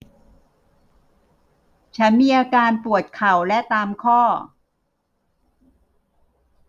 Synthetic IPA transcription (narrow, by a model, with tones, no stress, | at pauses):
t͡ɕʰa˦˥nmiː˧ʔaː˧kaː˧npu˨˩ət̪̚kʰa˨˩wlɛ˦˥t̪aː˧mkʰɔː˥˩